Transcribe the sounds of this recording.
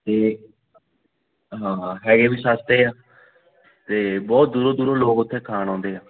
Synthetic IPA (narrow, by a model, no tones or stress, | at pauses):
t̪eː | ɦãːɦɛːɡeːbiːsaːst̪eːaː | t̪eːbɔːt̪̚d̪uːɾoːd̪uːɾoːloːkʊt̪ʰːẽːkʰaːnɔ̃ːnd̪eːaː